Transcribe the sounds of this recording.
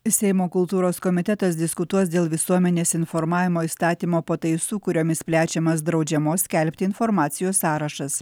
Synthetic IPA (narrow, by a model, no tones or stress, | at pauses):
sʲɛɪmoːkʊlˠt̪uːɾoːskɔmʲɪt̪ʲɛt̪ɐsd̪ʲɪskʊt̪uɔsd̪ʲeːlˠʋʲɪsuɔmʲɛnʲeːsɪnfɔɾmɑːʋʲɪmoːist̪ɑːt̪ʲiːmoːpoːt̪ɐɪsuːkʊɾʲoːmʲɪspʲlʲæːt͡ʃʲɛmɐsd̪ɾɒʊd͡ʒʲɛmoːsʲkʲɛlʲpʲt̪ʲɪɪnfɔɾmɑːt̪sʲɪjoːsːɑːɾɐʃɐs